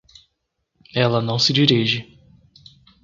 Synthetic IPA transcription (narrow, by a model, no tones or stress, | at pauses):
ɛlɐnɐ̃w̃sɪd͡ʒiɾiʒɪ